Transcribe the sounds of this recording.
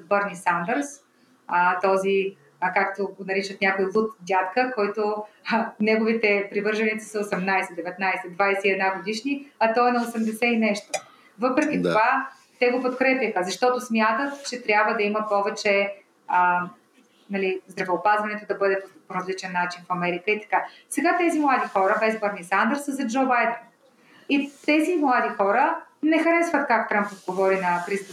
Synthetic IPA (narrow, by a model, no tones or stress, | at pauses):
bɤɾnisand̪əɾs | ət̪ɔzi | kakt̪oɡonɐɾit͡ʃət̪nʲjakojlˠut̪d̪ʲat̪kəkɔjt̪o | nɛɡovit̪ɛpɾivɤɾʒɐnit̪si̥səosɛmnajsɛd̪ɛvɛt̪najsɛd̪vajsɛiɛd̪naɡod̪iʃniɐt̪ɔɛnɐosɛmd̪ɛsɛinɛʃt̪o | vɤpɾɛk̟ʲit̪ova | t̪ɛɡopot̪kɾɛpʲjəxəzɐʃt̪ɔt̪ʊsmʲjat̪ət̪t͡ʃɛt̪ɾʲjabvəd̪ɐiməpɔvɛt͡ʃɛ | ə | nɐlizd̪ɾɐvɛopazvɐnɛt̪od̪ɐbɤd̪ɛpopoɾɐzlit͡ʃɛnːat͡ʃinfɐmɛɾikəit̪ɐ̥kasɛɡat̪ɛzimlˠad̪ixɔɾəbɛzbɐɾnisand̪ɛɾsəzɐd͡ʒobajd̪ɛn | it̪ɛzimlˠad̪ixɔɾənɛxɐɾɛsvət̪̚kakt̪ɾampod̪ɡovɔɾinɐxɾist̪